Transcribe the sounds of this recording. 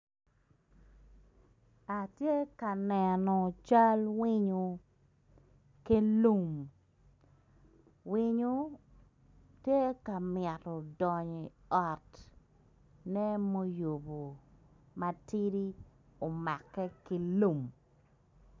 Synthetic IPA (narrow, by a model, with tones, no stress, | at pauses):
a˨tje˦ka˨nɛ˨nɔ˨t͡ʃa˦lwi˦ɲo˨ | ki˦lu˦˨m | wi˦ɲo˦ | tje˦ka˨mɪɛ˨tɔ˨dɔ˨ɲi˨ɔ˨t | nɛ˦mo˦jo˨bo˨ | ma˨ti˦ɾi˦o˨ma˨kːɛ˦ki˦lu˦˨m